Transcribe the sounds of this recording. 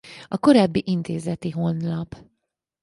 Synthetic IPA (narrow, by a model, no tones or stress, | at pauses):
ɒko̞ɾaːbːiʔint̪eːzɛt̪iɦo̞nlɒp